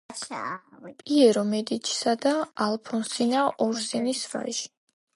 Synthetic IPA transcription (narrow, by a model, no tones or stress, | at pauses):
pʼiɛɾɔmɛd̪it͡ʃʰi̥sad̪aalˠpʰɔnsinaʔɔɾsinisɾa̰ʒi̥